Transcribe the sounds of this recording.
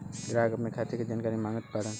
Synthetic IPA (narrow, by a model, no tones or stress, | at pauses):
d̪ɾaːɡɐpnekʰaːt̪eked͡ʒaːnkaːɾimãːŋɡət̪̚paɽən